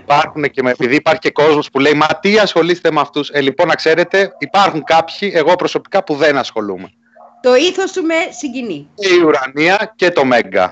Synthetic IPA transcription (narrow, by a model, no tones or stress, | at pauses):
ipɐɾxuneceepiðiːpɐɾçi̥ce̞ko̞zmo̞spule̞imɐt̪iɐsxo̞list̪e̞meɐft̪uselipo̞nɐkse̞ɾe̞t̪e̞ipɐɾxuŋkɐpçie̞ɣo̞pɾo̞so̞pi̥kɐpuðe̞nɐsxo̞lume̞ | t̪o̞iθost̪umesiɲɟiniceiuɾɐniɐce̞t̪o̞me̞ŋɡɐ̰